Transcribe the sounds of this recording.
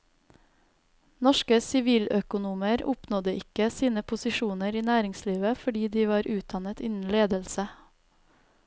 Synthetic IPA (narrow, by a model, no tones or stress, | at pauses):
nɔʃkəsɪʋiːlœkʊnuːməɾʊpnɔd̪əʔɪkəsiːnəpʰʊsɪʃuːnəɾiːnæːɾɪŋsliːʋəfɔɖiːd̪iːʋɑːɾʔʉːt̪̚d̪ɑnət̪ɪnn̩leːd̪əlsə